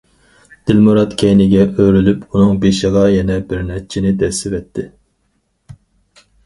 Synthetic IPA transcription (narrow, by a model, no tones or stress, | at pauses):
d̪̥ɪlmuɾɑt̪kʲʰɛjnɪɡʲɛʔøɾylypʰunɨŋbeʃɨʁɑjɛnɛbɪɾnɛt͡ʃʰɪnɪd̪ɛsɪvɛt̪ʰːɪ